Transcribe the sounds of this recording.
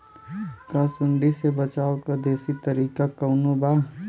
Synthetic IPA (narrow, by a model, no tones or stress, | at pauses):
kə̃sʊɳɖisebət͡ʃaːokad̪eːsit̪əɾiːkakəʊnobaː